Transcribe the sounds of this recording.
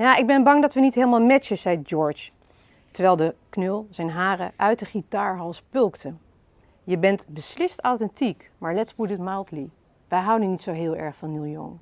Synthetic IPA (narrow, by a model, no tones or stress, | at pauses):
jaːʔɪɡ̚bɛnbɑŋdɑtʋənitɦeːləmaːlˠmɛt͡ʃəz̥ɛj̚d͡ʒɔɹt͡ʃ | təɹʋɛjlˠdəknølˠzɛjnɦaːrəʔœɥtdəχitaːɹɦɑlˠspɵlˠktə | jəbɛntbəslɪstawtɛntikmaːɹlɛtsbudɪtmajlˠtli | ʋɛjɦʌwdənitsowɦɪːlˠɛ̰ɹχfɑnːilˠjɔ̰ŋ